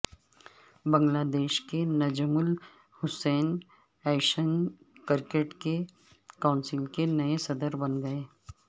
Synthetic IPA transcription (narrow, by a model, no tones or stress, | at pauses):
bɐ̃ŋɡlaːd̪eːʃkenɐd͡ʒəmʊl | hʊsɛːn | ɛːʃən | kɪɾkeːʈke | kaːʊnsɪlkenɐesɐd̪əɾbɐnɡɐeː